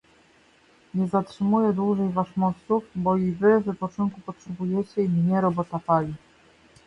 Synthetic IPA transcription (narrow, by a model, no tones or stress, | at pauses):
ɲɛzatʂɘmujɛd̪wuʐɛjvaʂmɔt̪sufbɔivɘvɘpɔt͡ʂɔŋkupɔtʂɛbujɛt͡ɕɛimɲɛɾɔbɔt̪apalʲi